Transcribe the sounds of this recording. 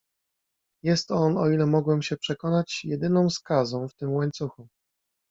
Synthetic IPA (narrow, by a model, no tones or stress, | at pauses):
jɛst̪ɔnɔilɛmɔɡwɛmɕɛpʂɛkɔnat͡ɕjɛd̪ɘnɔ̃w̃skazɔ̃w̃ft̪ɘmwaɲt̪suxu